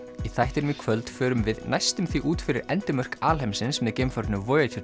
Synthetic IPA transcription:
iθajht̪ɪɾʏmikʰvœlt̪fœːɾʏmvɪðnajst̪ʏmθiʔuːt̪fɪɾɪɾɛnt̪ɪmœr̥kaːlhejmsɪnsmɛðcemfaɾtnʏvɔːjat̪ʰʏ

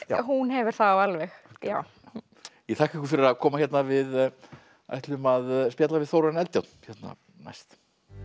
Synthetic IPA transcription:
ɦunɦɛvɪɾ̥θaawalvɛxa | jɛt̪ʰahkɛhkʏ̥fɪɾɪɾakʰɔːmaçjɛt̪navɪð | a̰jht̪lʏmaðspjɛːt̪lavɪðθowɾanɛlt̪jawt̪n̥çjɛt̪na̰ | na̰jst̪

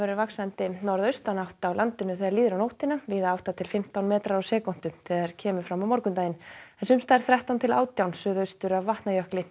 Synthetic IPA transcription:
ɛɾʏɾvaksant̪ɪnɔɾðœɥst̪anawht̪awlant̪ɪnʏθɛðaɾliːðɪɾawnowht̪ɪnaviːðaawht̪at̪ʰɪlfɪm̥t̪awnmɛːt̪ɾaɾawsɛːkɔn̥t̪ʏθɛːðaɛɾ̥cʰɛːmʏ̥fɾamawmɔɾkʏnt̪ajɪnɛnsʏmst̪aːɾ̥θɾɛht̪awnt̪ʰɪla̰ːwt̪jawnsʏːðœɥst̪ʏɾavːaht̪najœhklɪ

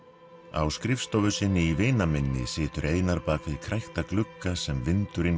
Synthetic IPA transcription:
a̰wskɾɪfst̪ɔvʏsɪnːɪiveːjnamɪnːɪ̰sɪːt̪ʏɾʔeːjnaɾpaːkaðikʰɾajht̪aklʏkːasɛmvɪnt̪ʏɾɪn

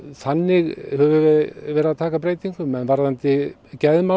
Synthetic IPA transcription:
θanːɪɣhɛvʏvvɛːɾɪaðt̪ʰaːkapɾeːjt̪iŋkʏmɛnvaɾðant̪ɪcɛðma

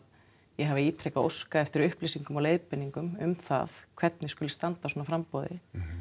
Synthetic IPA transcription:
jɛɦavɪiːt̪ʰɾejkao̰wskaɛft̪ɪɾʏhplisiŋkʏmɔleːjðpɪnːiŋkʏmʏmθa̰θkʰv̥ɛt̪nɪskʏlɪst̪ant̪aswɔːnafɾampɔðɪ̰

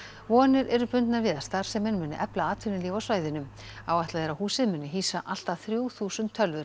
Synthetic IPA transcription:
vɔːnɪɾʔɛɾʏpʏnt̪naɾvɪðast̪aɾ̥sɛmːɛnmʏnːɪʔɛplaaːt̪ʰʏnɪliːvawsvaːjðɪnʏm | awaht̪laðɛɾahuːsɪðmʏnːɪɦiːsaʔal̥t̪aθɾjuːwθuːsʏnt̪ʰːœlvʏɾ̥

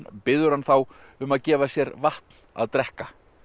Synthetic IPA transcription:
pɪðʏɾ̥hanθawʏmaðcɛːvasjɛɾvaht̪n̥a̰ðt̪ɾɛhka

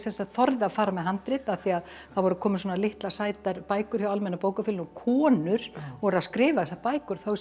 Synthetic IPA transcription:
sθɛsaðθɔɾðɪaðfaːɾamɛðɦant̪ɾɪt̪aθiað | θaðvɔɾʏkʰɔːmɪswɔːnalɪht̪lasaːjt̪aɾpaːjkʏɾ̥çjawalmɛnːapoːwkafɪlnɔkʰɔːnʏɾ̥ɔɾaskɾɪːvaðθɛsːapaːjkʏɾ̥θow

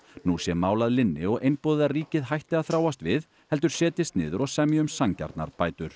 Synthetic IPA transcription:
nusjɛmːaːwlaðlɪnːɪɔɣʔejnpɔðɪðariːcɪðɦajht̪ɪaðθɾaːwast̪vɪð | hɛlt̪ʏɾ̥sɛːt̪ɪst̪nɪːðʏɾɔɣsɛmjʏmsaŋca̰ɾt̪na̰ɾ̥paːjt̪ʏɾ̥

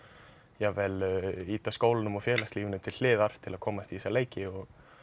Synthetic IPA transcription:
jɛvɛliːt̪askoːwlɪnʏmɔfjɛːlast̪liːvʏnʏmt̪ʰɪlh̪ɪːðaɾ̥t̪ʰɪlaðkʰɔːmast̪iisaleːjcɪɔɣ

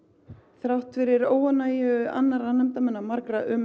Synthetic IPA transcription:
θɾawht̪fɪɾɪɾoːwanajɪa̰nːaɾanɛm̥t̪amɛnːamaɾkɾaʔʏm

